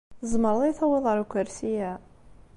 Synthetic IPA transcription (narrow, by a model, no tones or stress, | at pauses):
zˤməɾðˤiθæwɪðˤʁəɾkʷːəɾsijæ